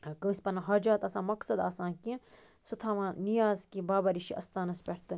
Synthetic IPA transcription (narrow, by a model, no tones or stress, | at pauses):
kɐsʲpɐnɐɦɐːd͡ʒaːt̪ɐsãːmɐksɐd̪aːsãːkĩ | sut̪ʰaːʋãːnijaːzkibaːbɐɾiʃiʔɐ̰st̪aːnɐspʲɐɽt̪ɨ